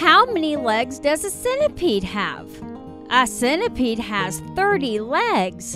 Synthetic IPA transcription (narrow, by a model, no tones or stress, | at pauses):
haʊmɛnilɛɡzdʌzɨsɪnɨpʰid̚ə̰v̥ | ʔəsɪ̃nɨpʰid̚ɨz̥θɜ˞ɾilɛɡz̥